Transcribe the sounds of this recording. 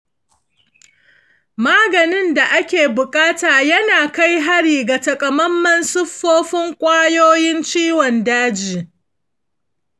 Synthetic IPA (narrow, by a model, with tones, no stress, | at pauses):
maː˦ɡɐ˨nɪ˦nda˨ʔa˦kʲeː˨bʊ˨kʼaː˦taː˨jɐ˦naː˨ka˦jɦa˦ɽiː˨ɡa˨tɐ˨kʼɐ˨mɐ˦mːɐ˦nsʊ˦ɸːoː˦ɸɪ˦ŋkʷʼaː˦joː˦jɪ˦nt͡ʃiː˦wɔ˨ndaː˦d͡ʒiː˨